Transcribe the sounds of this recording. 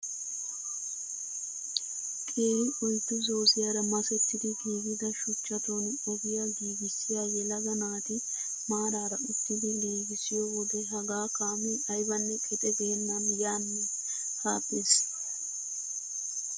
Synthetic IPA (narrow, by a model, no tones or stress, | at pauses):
kʼeːɾɪʔʊjt̪ːɪzo̞ːsɪjaɾɐmɐsɛt̪ːɪd̪ɪɡiːɡɪd̪ɐʃʊt͡ʃːɐt̪on | ɔɡɪjaɡiːɡɪsɪjaːjɛlɐɡɐnaːt̪ɪ | maːɾaːɾɐʊfːɪd̪ɪliːɡɪsɪjoːbɔd̪ɛɦɐɡaːkaːmuʔɐjbɐnːɛkʰʼɛt̪ʼɛɡenːɐnjaːnːɛ | haːpːeːs